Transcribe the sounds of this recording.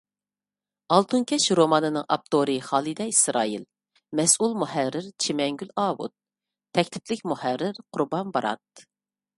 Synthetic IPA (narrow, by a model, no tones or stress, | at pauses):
ɑlˠt̪ʰuŋkʲʰɛʃɾomɑnɨnɨŋʔɑ̰p̚t̪ʰoɾɨχɑːlˠɨd̪ɛisɾɑ̰ːil | mɛsulˠmuhærɾːɪɾt͡ʃʰimɛŋɡʲylɑːwṵt̪̚ʰː | ɛkʲt̪ʰɪ̥plɪkʲmuhæɾːɪɾqʰʊɾbɑnbɑɾɑ̰t̪̚